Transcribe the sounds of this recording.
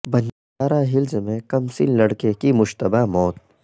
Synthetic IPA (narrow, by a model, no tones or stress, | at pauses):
bɐn | aːɾaɦɪlzmẽkɐmsḭllɐɽkekimʊʃt̪əbamɔːt̪̚